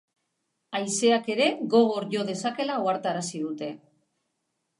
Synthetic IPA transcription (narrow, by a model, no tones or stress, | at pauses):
ajse̞ake̞ɾe̞ɣo̞ɣ̞oɾʝo̞ð̞e̞sake̞lauaɾt̪aɾasiðut̪e̞